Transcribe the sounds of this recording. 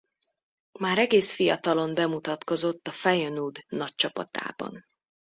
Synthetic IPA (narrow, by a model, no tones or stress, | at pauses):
maːɾɛɡeːsfijɒt̪ɒlo̞mbɛmut̪ɒt̪ko̞zo̞t̪ːɒfɛjønuːd̪nɒc̚t͡ʃɒpɒ̰t̪a̰ːbɒ̰n